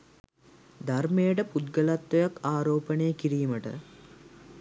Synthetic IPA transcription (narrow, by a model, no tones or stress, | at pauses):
d̪armejəʈəpud̪ɡəlat̪ːojakaːɾoːpənejəkiɾiːməʈə̰